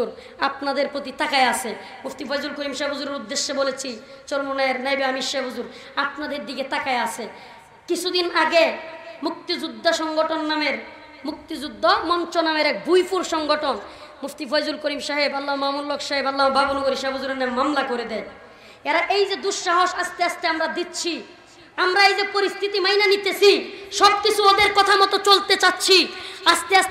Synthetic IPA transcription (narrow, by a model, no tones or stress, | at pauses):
uɾ | apnad̪eɾpɾot̪it̪akaeasʰe | muft̪ifɔjzulkoɾimʃabɦuzuɾeɾud̪ːeʃːebolet͡ɕʰi | t͡ɕoɾmonaeɾnajbeamiʃebɦuzuɾ | apnad̪eɾd̪iɡet̪akaeasʰe | kit͡ɕʰud̪inaɡemuk̚t̪id͡ʑud̪ʱːaʃɔŋɡoʈonːameɾ | muk̚t̪id͡ʑud̪ʱːamɔnt͡ɕonameɾɛk̚bujpuɾʃɔŋɡoʈon | muft̪ifojzulkoɾimʃaɦebalːaomamuɾlokʰʃaɦebalːaɦobʱabonoɡoɾiʃabʱozuɾenːammamlakoɾed̪ɛj | ɛɾaʔejd͡ʑed̪uʃːaɦoʃast̪east̪eamɾad̪it̪ːɕʰi | amɾaejd͡ʑepoɾist̪ʰit̪imajnanit̪esʰiʃɔb̚kit͡ɕʰuod̪eɾkɔt̪ʰamɔt̪ot͡ɕolt̪et͡ɕatːɕʰiast̪eas